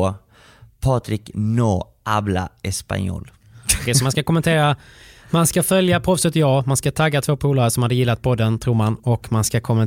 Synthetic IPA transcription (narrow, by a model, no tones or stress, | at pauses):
pʰɑːt̪ɾɪknoː | ʔabla̰ɛspa̰njo̰ːl | d̪ɛsɔmanskakɔmɛnt̪ʰeːɾamanskafœljapʰɾɔfsɛt̪ːjɑːmanskat̪ʰaɡːat̪ʰvoːpʰuːlaɾəsɔmhad̪ːəjɪlːat̪̚pʰɔd̪ənt̪ʰɾuːɾmanɔkmanskakʰɔmɛn